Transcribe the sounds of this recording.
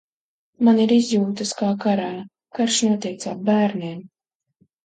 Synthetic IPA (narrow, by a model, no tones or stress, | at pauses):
maniɾizjuːt̪ɨskaːkaɾaː | kaɾʃnuɔt̪ʲejk̪̚sap̚bæːɾnʲiɛm